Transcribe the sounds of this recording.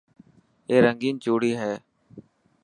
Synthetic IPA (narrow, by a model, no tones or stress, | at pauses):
eːɾəŋɡiːnt͡ʃuːɽiːɦɛː